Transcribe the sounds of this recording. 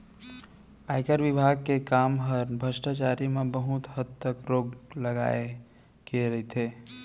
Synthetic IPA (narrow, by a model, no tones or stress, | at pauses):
aːɪkəɾʋɪbʱaːɡ̚kekaːmɦəɾbʱəsʈat͡ʃaɾimebəɦut̪ɦəd̪t̪əkɾoːɡləɡa̰ːe | keɾəɦit̪ʰe